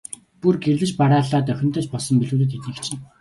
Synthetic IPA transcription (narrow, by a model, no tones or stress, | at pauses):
purɡerɮɘ̆t͡ɕpaɾaːɮaːt̪̬œxʲɪ̆nt̪əːt͡ɕpɔɮsɞ̆mpiɮuːt̪ɘ̆t̪it̪ɘ̆kt͡ɕt͡ɕʰɪ̆ŋ